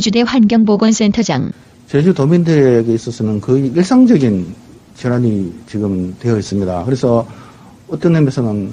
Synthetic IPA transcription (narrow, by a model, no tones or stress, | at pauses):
d͡ʑude̞ɸwanɡjʌŋboɡʌns͈e̞ntʰʌd͡ʑa̰ŋ | t͡ɕed͡ʑutomindɯɾeɡe̞is͈ʌs͈ɯnɯnkɯiɭs͈aŋd͡ʑʌɡin | t͡ɕeɾaɲit͡ɕiɡɯmtwe̞ʌis͈ɯmɲidakɯɾe̞sʰʌ | ʌt͈ʌnːemesʰʌnɯn